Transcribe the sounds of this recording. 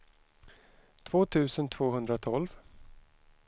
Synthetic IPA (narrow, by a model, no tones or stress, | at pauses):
t̪ʰv̥oːt̪ʰʉ̟ːsənt̪ʰv̥oːɦɵnd̪ɾat̪ʰɔlv